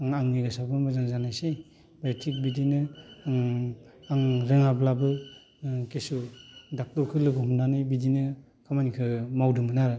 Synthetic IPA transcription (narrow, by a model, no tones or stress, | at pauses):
aŋaŋniɡɯsabɯmazaŋzanajsej | betʰik̚bidinɯ | aŋɾɯŋablabɯ | kesudak̚tɔɾkʰɯlɯɡɔhɔmnanɯjbidinɯ | kʰamanikʰɯmawdɯmɯnaɾɯ